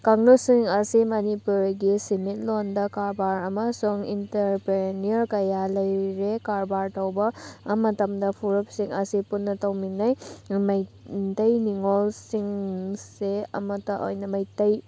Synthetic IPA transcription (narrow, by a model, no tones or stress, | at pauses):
kaŋnosiŋɐsimɐnipuɾɡisimit̚londɐkaɾbaɾɐmɐsuŋintɐɾpɾeniɐɾkɐjalɐjɾekaɾbaɾtɐwbɐmɐtɐmdɐpʰuɾup̚siŋɐsipunːɐtɐwminːɐjmɐj | tɐjniŋolsiŋseɐ̰mɐtɐʔo̰jnɐmɐjtɐj